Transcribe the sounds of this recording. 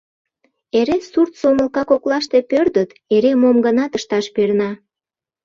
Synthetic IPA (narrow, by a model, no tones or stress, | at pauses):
eɾesurt̪soməlkɑkoklɑʃt̪e̽pørd̪ət̪ | eɾemomɡənɑt̪əʃt̪ɑʃpernɑ